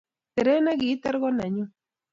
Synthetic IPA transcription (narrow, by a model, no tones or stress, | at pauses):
t̪eɾenaɡit̪aɾɣonaɲu